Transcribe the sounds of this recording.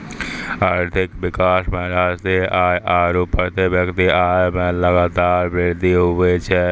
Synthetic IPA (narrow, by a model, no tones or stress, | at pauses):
aːɾt̪ʰɪkʋɪkaːsmẽɾaːst̪iʔaːeʔaːɾopːəɾt̪ebjəkt̪iʔaemẽləɡaːt̪aːɾbeɾd̪iɦobɛt͡ʃʰɛ